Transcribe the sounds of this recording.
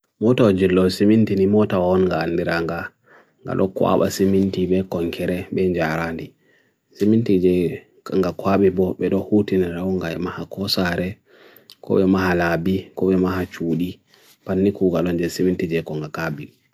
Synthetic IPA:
mɔtawɔd͡ʒilːɔsimintinimɔtawaɔnŋɡaːndiɾaŋɡa | ŋɡa̰ɗɔ̰kwa̰ɓa̰simintiɓɛkɔŋkʰɛɾɛɓɛɲd͡ʒaɾandi | simintid͡ʒɛ | ŋɡakwaɓibɔɓɛɗɔhutinadaɔŋɡaɛmahakɔsaɾɛ | kɔ̰ɓɛmaɦalabikɔɓɛmaɦat͡ʃuːɗi | panːikuːɡalɔnd͡ʒɛsimintid͡ʒɛkɔŋɡakabi

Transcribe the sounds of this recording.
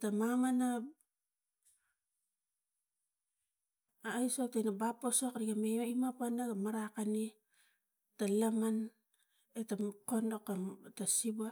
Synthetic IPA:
tamamana | jsok̚tajnabaposokɾiɡameoimapanaɡamaɾakani | talaman | etakonokatasiba

